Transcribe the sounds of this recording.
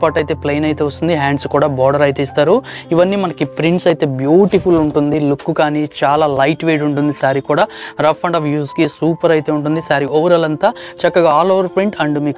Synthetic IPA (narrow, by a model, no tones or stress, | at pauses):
paːʈɐjt̪eːpleːjnɐjt̪e̞ːʋɐst̪und̪iɦaːɳɖskuːɽaːbɔːɽɐɾɐjt̪e̞ːst̪aːɾuiʋɐnːiːmɐnɐkipɾiɳʈsɐjt̪e̞ːbjuːʈipʰuluɳʈund̪ilukːukaːnit͡ʃaːlaːlɐjʈʋeːɖuɳʈund̪isaːɾikuːɽaːɾɐpʰːɐɳɖɐʋjuːskisuːpɐɾɐjt̪e̞ːuɳʈ̬und̪isaːɾiɔʋɐɾɐlɐnt̪aːt͡ʃɐkːɐɡaːlɔʋɐɾpɾiɳʈɐɳɖumiːk